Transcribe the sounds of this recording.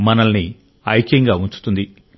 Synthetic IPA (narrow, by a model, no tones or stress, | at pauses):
mɐnɐlni | ɐjkjɐŋɡaːuɲt͡ʃu̥t̪und̪i